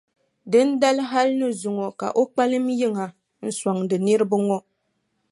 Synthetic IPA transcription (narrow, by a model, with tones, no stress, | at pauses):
dɨ˦n˦da˦lɦa˦lnɨ˦zu˨ŋɔ˨ka̰˨ʔo˦k͡pa˦lɨ˦mji˦ŋa˨ | n̩˦˨swa˨ŋdɨ˨ni˦ɾɨ˦bɨ˦ŋɔ˦